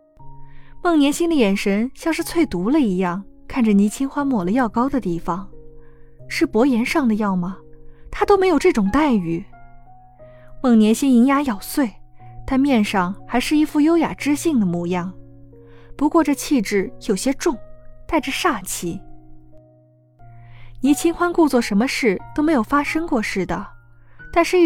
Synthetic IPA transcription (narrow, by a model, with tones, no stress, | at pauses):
mɤ˥˩ŋnjɛ˧˥nɕi˥ŋd̪ə˧jɛ˨˩nʂə˧˥nɕjɑ˥˧ŋʂɻ̩˥˧t͡sʰwe˥˩ɪt̪u˧˥lə˧i˧˥jɑ˥˩ŋkʰa˥˩nʈ͡ʂə˨˩ni˧˥t͡ɕʰi˥nxwa˥nmwɔ˨˩lə˦jɑ˥˩ʊkɑ˥ʊd̪ə˨t̪i˥˩fɑ˨˩ŋ | ʂɻ̩˥˩pwɔ˧˥jɛ˧˥nʂɑ˥˩ŋd̪ə˩jɑ˥˩ʊmɐ˩t̪ʰa˥t̪o˥ʊme˧˥jʊʈ͡ʂɤ˥˩ʈ͡ʂʊ˨˩ŋt̪a˥˩ɪy˨˩ | mɤ˥˩ŋnjɛ˧˥nɕi˥ŋi˧˥ŋja˧˥jɑ˨˩ʊswe˥˩ɪt̪ʰa˥mjɛ˥˧nʂɑ˥˩ŋxa˧˥ɪʂɻ̩˥˧i˥˧fu˥˧jo˥ʊja̰˨˩ʈ͡ʂɻ̩˥ɕi˥˩ŋd̪ə˩mu˥˧jɑ˥˩ŋ | pu˧˥kwɔ˥˧ʈ͡ʂɤ˥˧t͡ɕʰi˥˧ʈ͡ʂɻ̩˥˩jo˨˩ʊɕjɛ˥ʈ͡ʂʊ˥˧ŋt̪a˥˩ɪʈ͡ʂə˩ʂa˥˩t͡ɕʰi˧˥ | ni˧˥t͡ɕʰi˥ŋxwa˥nku˥˧t͡swɔ˥˩ʂə˧˥nmə˧ʂɻ̩˥˩t̪o˥ʊme˧˥ɪjo˨˩ʊfa˥ʂɤ˥ŋkwɔ˥˧ʂɻ̩˥˩d̪ə˩t̪a˥˧nʂɻ̩˥˧˥